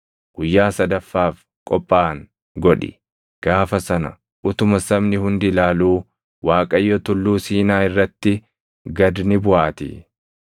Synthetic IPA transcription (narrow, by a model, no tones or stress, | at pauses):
ɡ̥ʊjːaːsɐd̪ɐfːaːf | kʼɔpʼːaːŋ | ɡɔᶑɪ̰ | ɡ̥aːfɐsɐnɐ̰ | ʔʊt̪ʊmɐsɐmnɪhʊnd̪ɪlaːluː | waːkʼɐjːɔt̪ʊlːuːsiːnaːɪrːɐt̪ːɪ | ɡɐd̪nɪbʊʔaːt̪ɪ̰